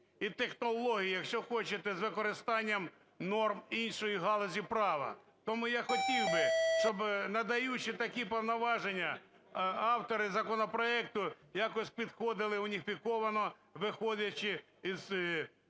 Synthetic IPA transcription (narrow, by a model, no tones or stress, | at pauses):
it̪exnɔlˠɔɦʲijijɐkʃt͡ʃɔxɔt͡ʃɪt̪ɛzʋɪkɔɾɪst̪ɑnʲːɐm | nɔrminʃɔjiɦɑlˠɔzʲipɾɑʋɐ̰ | t̪ɔmujaxɔtʲiwbɪʃt͡ʃɔbnɐd̪ɐjut͡ʃɪt̪ɐkʲipɔwnɐʋɑʒenʲːɐ | ɑwt̪ɔɾɪzɐkɔnɔpɾɔɛk̚t̪ʊ | jɑkɔsʲpʲid̪xɔd̪ɪlˠɪʊnʲifʲikɔʋɐnɔ | ʋɪxɔdʲɐt͡ʃɪ | iz